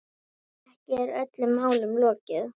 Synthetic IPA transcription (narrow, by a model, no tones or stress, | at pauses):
ɛhcɪɛɾœt̪lʏmːaːwlʏmlɔːcɪð